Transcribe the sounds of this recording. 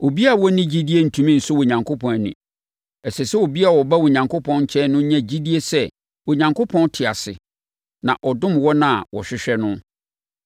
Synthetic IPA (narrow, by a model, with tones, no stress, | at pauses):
o˨bi˦a˨wɔ˦nɪ̃˦d͡ʑi˦di˦e˦n̩˨tʰũ˨mĩ˦n̩˨sʊ˦wo˨ɲã˨ŋkʰo˦pʰɔ̃˨n˨nɪ̰̃˨ | ɛ˨sɛ˨sɛ˦o˨bi˦a˦˨wɔ˨ba˦wo˨ɲã˨ŋkʊ˦pʰɔ̃˦nɲ̩˦t͡ɕʰɛ̃˦nʊ̃˦ɲã˦d͡ʑi˦di˦e˦sɛ˦ | wo˨ɲã˨ŋko˦pʰɔ̃˦n˦tʰɪ˨a̰˨sɪ̰˨ | nã̰˨ʔɔ˨dʊ̃˦mwɔ˦nã˦˨wɔ̰˨ɕᶣɪ˦ɕᶣɛ˦nʊ̃˦